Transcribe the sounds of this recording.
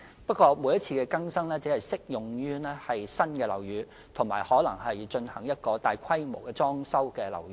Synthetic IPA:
pɐ˥t̚kʷɔː˧muː˨˧jɐ˥t̚t͡sʰiː˧kɛː˧kɐ˥ŋsɐ˥ŋlɛː˥t͡siː˨˥hɐ˨jsɪ˥k̚jʊ˨ŋjyː˥nɛː˥hɐ˨jsɐ˥nkɛː˧lɐ̰˨˩wjyː˨˧ | t̪ʰʊ˨˩ŋmaː˨˩jhɔː˨˥lɐ˨˩ŋhɐ˨jt͡ʃɵ˧nhɐ˨˩ŋjɐ˥t̚kɔː˧t̪aː˨jkʷʰɐ˥jmo˨˩wkɛː˧t͡sɔː˥ŋsɐ˥wkɛː˧lɐ̰˨˩wy˧˥

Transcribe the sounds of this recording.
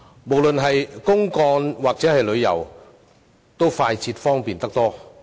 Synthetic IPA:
mo˨˩wlɵ˨nɦɐ˨jkʊ˥ŋkɔː˧nwaː˨˩k̚t͡sɛː˨˥hɐ˨jlɵ˨˧ɥjɐ̰˨˩w | t̪o˥wfaː˧jt͡sʰiː˧t̚fɔː˥ŋpiː˨˩nt̪ɐ˥k̚t̪ɔː˥

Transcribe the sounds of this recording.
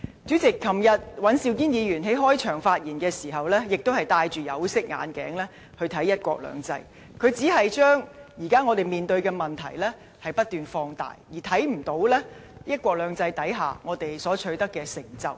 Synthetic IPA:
t͡ʃyː˨˥t͡sɪ˨kʰːɐ˨˩mjɐ˨t̚wɐ˨˥nsiː˨˧wkiː˥njiː˨˧jyː˨˩nɦe˨˥jɦɔː˥jt͡ʃʰœː˨˩ŋfaː˧t̚jiː˨˩nkɛː˧siː˨˩ɦɐ˨wlɛː˥jɪ˨k̚t̪o˥whɐ˨jt̪aː˧jt͡ʃyː˨jɐ˨˧wsɪ˥k̚ŋa̰ː˨˧nkɛ̰ː˨˥ŋlɛː˥ | hɵ˧ɥt̪ʰɐ˨˥jːɐ˥t̚kʷwʷɔ̰ː˧k̚lœ̰ː˨˧ŋt͡sɐ̰˧j | kʰɵ˨˧ɥt͡siː˨˥ɦɐ˨jt͡ʃœː˥ŋjiː˨˩kaː˥ŋɔː˨˧t̪e˨˩jmiː˨˩nt̪ɵ˧ɥkɛː˧mɐ˨nt̪ʰɐ̰˨˩jlɛː˥ | hɐ˨jpɐ˥t̚t̪yː˨nfɔː˧ŋt̪a̰ː˨jjiː˨˩t̪ʰɐ˨˥jm̩˨˩t̪o˨˧˥wlɛː˥jɐ˥t̚kʷɔː˧k̚lœː˨˧ŋt͡sɐ˧jt̪ɐ˨˥jɦa̰ː˨ŋɔː˨˧t̪e˨jsɔː˨˥t͡ʃʰɵ˨˧ɥt̪ɐ˥kːɛː˧sɪ˨˩ŋt͡sɐ̰˨˧w

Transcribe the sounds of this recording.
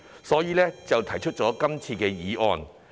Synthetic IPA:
sɔː˨˥jiː˨˧lɛː˥t͡sɐ˨wt̪ʰɐ˨˩jt͡ʃʰɵ˥t̚t͡ʃɔː˨˥kɐ˥mt͡sʰiː˧kɛː˧jiː˨˥ʔɔː˧n

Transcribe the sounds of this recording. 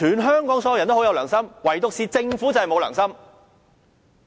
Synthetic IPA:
yː˨˩nɦœː˥ŋkɔː˨˥ŋsɔ˧˥jɐ˧jɐ˨˩nt̪o˥hjɐ˨˧wlœ̰ː˨˩ŋsɐ˥mwɐ˨˩jt̪ʊ˨k̚siː˨t͡sɪ˧ŋfuː˨˥t͡sɐ˨hɐ˨jmo˨˧wlœ̰ː˨˩ŋsɐ˥m

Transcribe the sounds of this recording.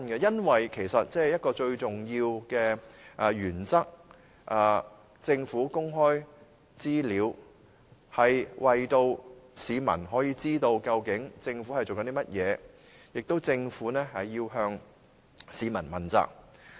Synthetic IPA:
nɡɛ˧jɐ˥nwɐ˨jkʰe˨˩jsɐ˨t̚t͡sɛː˥˩jɐ˥t̚kɔː˧t͡ʃɵ˧ɥt͡sʊ˨˩ŋjiː˧wkɛː˧ʔɐ˨˧jyː˨˩nt͡sɐ˥k̚ | ʔɐː˨˩ | t͡sɪ˧ŋfuː˨˥kʊ˥ŋɦɔː˥j | t͡siː˥liː˨˧w | hɐ˨jwʔɐ˨jt̪o˧wsiː˨˧mɐ̰˨˩nɦɔː˨˥jiː˧t͡siː˥t̪o˧wkɐ˧wkɪ˨˥ŋt͡sɪ˧ŋfuː˨˥hɐ˨˩jt͡so˨wkɐ˨˦nt̪i˥mɐ˥t̚jɛː˨˧ | jɪ˨k̚t̪o˥wt͡sɪ˧ŋfuː˨˥nɛː˥hɐ˨jːiː˧wɦœː˧ŋ | siː˨˧mɐ̰˨˩nmɐ˨˩nt͡sa̰ː˧k̚

